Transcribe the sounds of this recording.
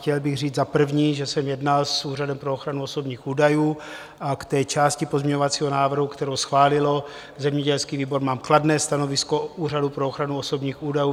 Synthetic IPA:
xcɛlbɪɣriːd͡zzapr̩vɲiːʒɛsɛmjɛdnalsuːradɛmpɾooxɾanuoso̞bɲiːxuːdajuː | ʔakt̪ɛːt͡ʃaːscɪpozmɲɛɲo̞vat͡siːɦo̞naːvr̩ɦukt̪ɛɾowsxvaːlɪlo̞ | zɛmɲɛɟɛlskiːviːbo̞ɾmaːmkladnɛːst̪ano̞vɪskouːradupɾooxɾanuoso̞bɲiːxuːdajuː

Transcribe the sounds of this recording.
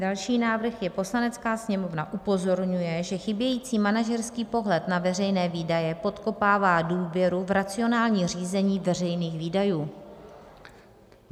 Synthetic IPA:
dalʃiːnaːvr̩xjɛpo̞slanɛt͡skaːsɲɛmo̞vnaʔupo̞zo̞ɾɲujɛʒɛxɪbjɛjiːt͡siːmanaʒɛɾskiːpo̞ɦlɛt̪navɛr̝ɛjnɛːviːdajɛpo̞t̪ko̞paːvaːduːvjɛɾuvɾat͡sɪo̞naːlɲiːriːzɛɲiːvɛr̝ɛjniːxviːdajuː

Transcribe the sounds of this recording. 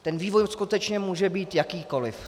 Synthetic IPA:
t̪ɛnviːvojskut̪ɛt͡ʃɲɛmuːʒɛbiːt̪jakiːko̞lɪ̰f

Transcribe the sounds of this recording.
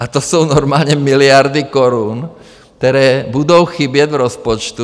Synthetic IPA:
at̪ɔsuːnɔɾmaːlɲɛmilɪaɾd̪ikɔɾuːn | kt̪ɛɾɛːbud̪oʊxibɪɛɟvɾɔspɔt͡ʃt̪u

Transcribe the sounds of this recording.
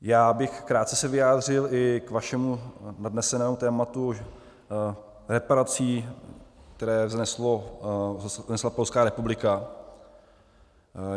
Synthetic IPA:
jaːbɪxkɾaːt̪̚t͡sɛsɛvɪjaːd̪rɪlʔɪkvaʃɛmunadnɛsɛnɛːmut̪ɛːmat̪u | ɾɛpaɾat͡siː | k̚t̪ɛɾɛːznɛslo | snɛslapolskaːɾɛpublɪka

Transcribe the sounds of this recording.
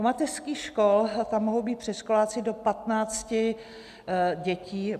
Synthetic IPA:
omat̪ɛrskiːxʃkolt̪amːoɦowbiːt̪pr̝̥ɛʃkolaːt͡sɪdo̞pat̪naːt͡scɪ | ɟɛciː

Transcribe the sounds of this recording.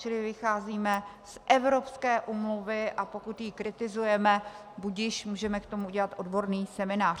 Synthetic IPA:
t͡ʃɪlɪvɪxaːziːmɛ | sʔɛvɾo̞pskɛːʔuːmluvɪʔapo̞kut̪jikɾɪt̪ɪzujɛmɛ | buɟjɪʃmuːʒɛmɛkt̪o̞muuɟɛlat̪ʔo̞dbo̞ɾniːsɛmɪnaːr

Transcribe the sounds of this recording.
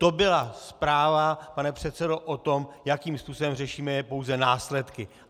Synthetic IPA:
t̪obɪlaspɾaːvapanɛpr̝̥ɛt̪sɛdo̞ʔot̪o̞mjakiːmspuːso̞bɛmrɛʃiːmɛjɛpo̞wzɛnaːslɛt̪kɪ

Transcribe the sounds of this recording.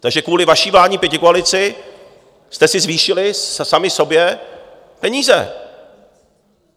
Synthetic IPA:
t̪aɡʒɛkvuːlɪvaʃiːvlaːɲiːpjɛcɪkoalɪt͡sɪ | st̪ɛsɪzviːʃɪlɪsamɪso̞bjɛ | pɛɲiːzɛ̰

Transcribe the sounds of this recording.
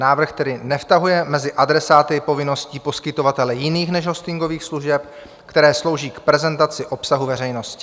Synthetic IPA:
naːvr̩xt̪ɛdɪnɛft̪aɦujɛmɛzɪʔadɾɛsaːt̪ɪpo̞vɪno̞sciːpo̞skɪt̪o̞vat̪ɛlɛjɪniːxnɛʒɦost̪ɪŋɡo̞viːxsluʒɛp | kt̪ɛɾɛːslo̞wʒiːkpɾɛzɛnt̪at͡sɪʔo̞psaɦuvɛrɛjno̞scɪ̥

